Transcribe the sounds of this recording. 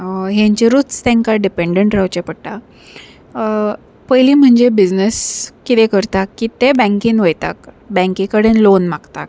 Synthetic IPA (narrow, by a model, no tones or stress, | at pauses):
ɦẽɲt͡ɕeɾut͡st̪ẽŋkaɖipeɳɖəɳʈɾawt͡ɕepəɽʈ̪a | pəjliːm̤əɳd͡ʑebid͡znəskit̪ẽkəɾt̪akːit̪ebɛ̃ŋkiːnʋəjt̪a̰k | bɛ̃ŋkĩkəɽenlonmakt̪ak